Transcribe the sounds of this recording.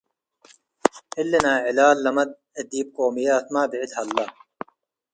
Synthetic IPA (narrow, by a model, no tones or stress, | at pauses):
hilːenaːʕilaːlːɐmɐd̪̚ | ed̪iːb̚qoːmijaːt̪maːbiʕɪd̪hɐlːɐ